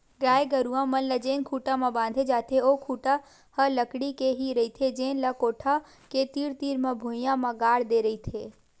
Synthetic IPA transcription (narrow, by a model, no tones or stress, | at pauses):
ɡaːeɡəɾuːãmɐnləd͡ʒẽːnkʰuːʈãmãbãːnd̪ʱed͡ʒaːt̪ʰeoːkʰuːʈa | hələkɽikeɦiɾɐit̪ʰed͡ʒeːnlɐkoːʈʰa | ket̪iːɽt̪iːɾmãbʱojãmãɡaːɽd̪eːɾɐit̪ʰeː